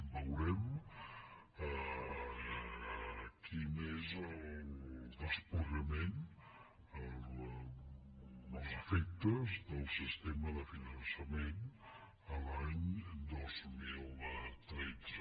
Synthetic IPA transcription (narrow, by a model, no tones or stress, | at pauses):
bəwɾɛm | ə | kʰinezəld̪əspuɾəmen | əl | nəzəfɛk̚t̪əzd̪əlˠsist̪ɛməðəfinənsəmen | əlaɲd̪ozmilˠt̪ɾɛd͡zə